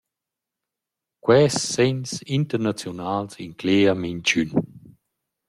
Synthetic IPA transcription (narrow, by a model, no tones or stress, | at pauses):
kwɛːsːɛɲsint̪əɾnat͡sjɔnaːlsiŋkleːamiɲt͡ʃyn